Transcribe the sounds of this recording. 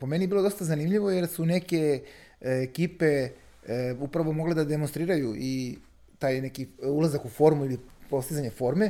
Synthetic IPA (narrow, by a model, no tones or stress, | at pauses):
po̞me̞nijebilo̞d̪o̞st̪azanimʎiʋo̞je̞ɾsune̞ke̞ | ekiːpe̞ | upɾaʋo̞mo̞ɡled̪ad̪e̞monst̪ɾiːɾajuʔi | t̪aːjne̞kiulˠazakufo̞ɾmuilipo̞st̪izaɲe̞fo̞ɾme̞